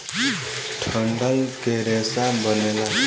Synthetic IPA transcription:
ʈʰʌɳɖʌlkeɾesabʌnela

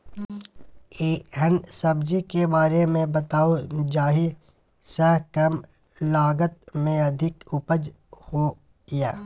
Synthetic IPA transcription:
eːɦənsɐbd͡ʒikebaːɾemẽbɐt̪aːod͡ʒaːɦi | səɦkəm | laːɡət̪̚mẽɐd̪ʱɪkʊpəd͡ʒ | ho | jaː

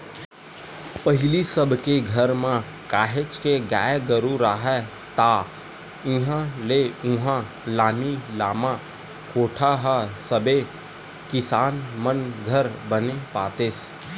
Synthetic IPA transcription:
pəɦɪlisəbʱkeɡʱəɾmã | kaːɦet͡ʃkeɡaːjɡəɾuɾaːɦɛ | t̪aː | ɪɦãleʊ̃ɦã | laːmilaːmã | koːʈʰaɦasəbe | kɪsaːnmənɡʱəɾbənepaːt̪eːs

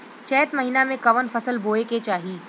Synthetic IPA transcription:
t͡ʃɛːt̪mɐɦiːnamẽkɐʋənfɐsəlboːeket͡ʃaːɦiː

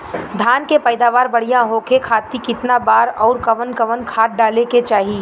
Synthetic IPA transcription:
d̪ʱaːnkepəːɪd̪aːʋaːɾbɐɽ̤ijãɦokekʰaːt̪ikɪt̪nabaːɾɔːɾkɐʋənkɐʋənkʰaːʈ̪̚ɖaːleket͡ʃaːɦi

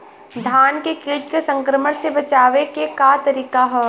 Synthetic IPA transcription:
d̪ʱaːnkekiːt̪kesɐ̃ŋkɾəməɽ̃sebɐt͡ʃaːʋekekaːt̪ɐɾiːkaɦɛː

